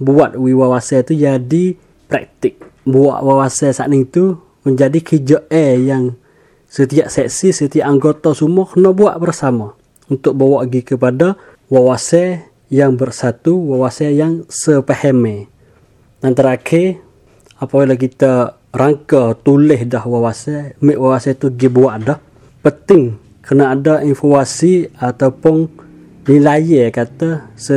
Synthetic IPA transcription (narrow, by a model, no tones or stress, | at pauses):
buat̪̚wiwawasɛt̪ud͡ʒadi | pɾɛ̰k̚t̪ɪk̚ | bua̰ʔwawasɛsa̰ʔniŋt̪u | məɲd͡ʒadikʰid͡ʒəʔejaŋ | sət̪iaʔsɛksisət̪iaʔaŋɡot̪asumɔkənɔbua̰ʔbərsama | unt̪ʊk̚bawaʔɡikəpada | wawasɛ | jaŋbərsat̪uwawasɛjaŋsəpəhɛmɛ | d̪ant̪əɾakʰe | apakalak̬it̪a | raŋkat̪ulɪhdahwawasɛmɪʔwawasɛt̪uɡibuaʔdɔh | pənt̪ɪŋ | kənaːdaʔinfomasiat̪aupʊn | nilajɛkat̪asə